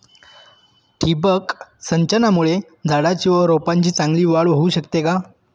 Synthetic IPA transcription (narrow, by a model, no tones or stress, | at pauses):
ʈʰibəksəɲt͡ɕənamuɭe | d͡zʱaɽat͡ɕiːʋəɾopaɲt͡ɕiːt͡sãŋɡliːʋaɽʋɦouːɕəkt̪eka